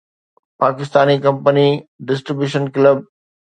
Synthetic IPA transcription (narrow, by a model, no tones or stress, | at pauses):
paːkɪst̪aːnikɐ̃mpəniɖɪs̬ʈɾɪbjuːʃənkləb̚